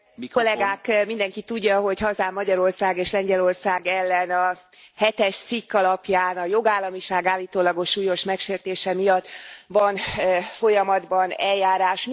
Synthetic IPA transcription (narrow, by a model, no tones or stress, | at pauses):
olɛɡaːkmind̪ɛŋkit̪uɟːɒɦo̞chɒzaːmːɒɟɒɾo̞rsaːɡeːʃlɛɲɟɛlo̞rsaːɡɛlːɛnɒ | hɛt̪ɛʃt̪sikːɒlɒpjaːnɒjo̞ɡaːlːɒmiʃaːɡaːlːiːt̪oːlɒɡo̞ʃːuːjo̞ʃmɛkʃeːrt̪eːʃɛmijɒt̪ːʋɒnfo̞jɒmɒd̪bɒnɛljaːɾaːʃ